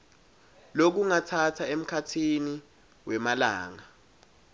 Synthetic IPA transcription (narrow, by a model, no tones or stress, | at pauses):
lok̬uŋatʰatʰaem̩kʰatʰini | wɛmalaːŋa